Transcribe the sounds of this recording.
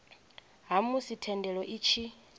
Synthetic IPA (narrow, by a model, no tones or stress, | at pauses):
ɦamusitʰɛndɛɺɔʔit͡ʃʰi